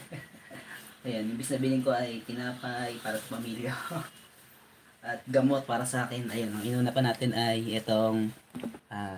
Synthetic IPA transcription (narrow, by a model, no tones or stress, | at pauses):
ʔɐjanɪmbɪsnɐbɪlɪŋko̞ʔɐjt̪ɪnaːpɐjpaːɾɐsɐ̥pɐmiːljɐ | ʔɐt̪̚ɡɐmo̞t̪̚paːɾɐsɐʔaːkɪnʔɐjonʔɐŋʔɪnuːnɐpɐnaːt̪ɪnʔɐjʔɛt̪o̞ŋʔa